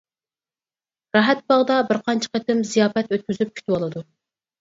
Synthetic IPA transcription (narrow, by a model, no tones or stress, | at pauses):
ɾɑɦɛt̪̚bɑʁd̪ɑbɪɾqʰɑnt͡ʃʰə̥qət̪ɪmzijɑːfɛt̪øt̪̚kʲyzyp̚kʲʰy̥t̪ʰywɑlˠɨd̪u